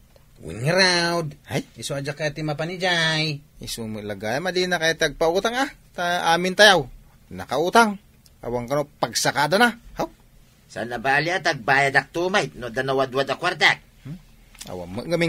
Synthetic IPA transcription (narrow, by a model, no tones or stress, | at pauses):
wḭŋɾawd̪hajisoad͡ʒakːajat̪imapanid͡ʒajisumɨʔlaɡaːjamad̪inakajat̪aɡ̚pauːt̪aŋat̪aʔaːmɪnt̪ajaw | nɐkaut̪aŋ | a̰waŋkanopaɡsakaːd̪anahaw | sa̰nabaːliat̪aɡ̚baːjad̪ak̚t̪umajnod̪anawad̪uwad̪akwaɾt̪at̪̚ | a̰wa̰mɨʔɡamɪ